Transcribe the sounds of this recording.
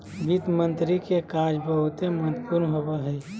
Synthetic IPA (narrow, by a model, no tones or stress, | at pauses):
ɡit̪mə̃nt̪ɾikekaːd͡ʒbʱəɦut̪eməɦət̪ːpuɾnɦobeɦəi